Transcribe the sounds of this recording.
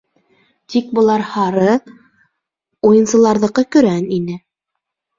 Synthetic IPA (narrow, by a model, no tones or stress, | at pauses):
t̪ik̚bɤ̆lˠɑɾhɑɾɤ | ujɤ̆nsɤ̆lˠɑɾðɤ̆qɤkɵ̆ɾæninɘ